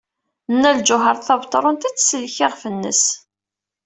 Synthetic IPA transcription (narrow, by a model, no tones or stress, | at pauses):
nːæld͡ʒʊɦəɾˤθɑvt̪ˤɑɾˤʊnt̪it͡sːsəlçɪʁfənːə̰s